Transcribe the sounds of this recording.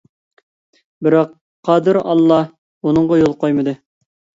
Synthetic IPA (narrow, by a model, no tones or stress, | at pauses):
bɪɾɑq | qʰːɑd̪ɨɾɑ̰lˠːɑ | unɨŋʁɑjolˠqʰojmɨd̪ɨ